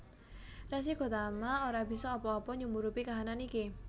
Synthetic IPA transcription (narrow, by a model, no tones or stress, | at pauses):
ras̬iɡ̥o̤t̪amaoɾabi̤sɔːpɔːpɔɲumuɾupikaɦananiki